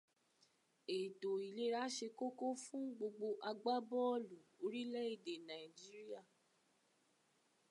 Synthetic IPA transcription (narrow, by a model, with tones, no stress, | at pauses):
e˨to˨i˨le˦ɾa˨˦ʃe˧ko˦ko˦fũ˦ɡ͡bo˧ɡ͡bo˧ʔa˧ɡ͡ba˦bɔ˦˨lu˨o˧ɾi˦lɛ˦i˦˨de˨nã˨i˨d͡ʒi˦ɾi˦a˦˨